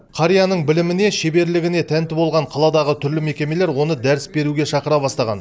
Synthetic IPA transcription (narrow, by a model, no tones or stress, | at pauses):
qʰɑɾijanəɴbɪlɪmɪne̞ʃebe̞ɾlɪɡʲɪne̞t̪ʰænt̪ɪbo̞lˠʁɑɴqʰɑlˠɑd̪ɑʁət̪ʰʏɾlɪme̞kʲe̞me̞le̞ɾwo̞nəd̪æɾɪsbe̞ɾuɡʲe̞ʃɑqəɾɑbɑst̪ɑʁɑ̰n